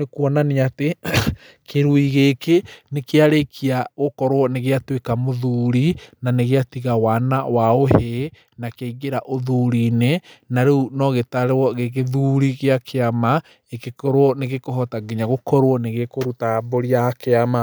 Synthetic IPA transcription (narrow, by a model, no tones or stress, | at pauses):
nekwɔnaniate | kʰeɾuiɣekenekeaɾekʰiaɣokɔɾwɔneɣeatwekamoðuɾinaneɣeatiɣawanawaohe | nakeiɣeɾaʔoðuɾinenaɾeunɔɣetaɾewɔɣeɣeðuːɾiɣeakʰeama | ekekɔɾwɔneɣekoɦɔtaɡeɲaɣokɔɾwɔneɣekoɾutaboɾiakeama